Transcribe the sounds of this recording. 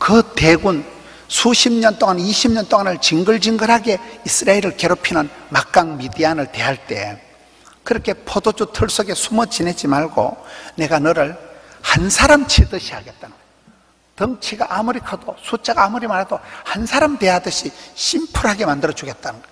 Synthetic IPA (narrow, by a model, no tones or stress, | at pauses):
kɯte̞ɡun | sʰuɕʰimɲʌnt͈oŋaniɕʰimɲʌnt͈oŋanɯɭt͡ɕiŋɡɯɭd͡ʑiŋɡɯɾɦaɡe̞is͈ʰɯɾaeɾɯɭke̞ɾopʰinɯnmak̚k͈aŋmidianɯɭte̞ɦaɭt͈e̞̰ | kɯɾʌkʰe̞pʰodod͡ʑutʰɯɭs͈oɡe̞sʰumʌt͡ɕinet͡ɕimaɭɡo̰ne̞ɡanɯɾɯɭhansʰaɾamt͡ɕʰedɯɕʰiɦaɡe̞t̚t͈anɯnɡ | tʌŋt͡ɕʰiɡaʔːmuɾikʰadosʰut͡ɕ͈ʰaɡaːmuɾimaɾadohansʰaɾamde̞jadɯɕʰiɕʰimpʰuɾɦaɡe̞mandɯɾʌd͡ʑuɡe̞t̚t͈anɯn